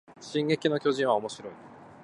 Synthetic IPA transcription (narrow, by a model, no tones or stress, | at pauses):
ɕĩŋɡe̞kʲino̞kʲo̞ʑĩɰ̃βao̞mo̞ɕiɾo̞i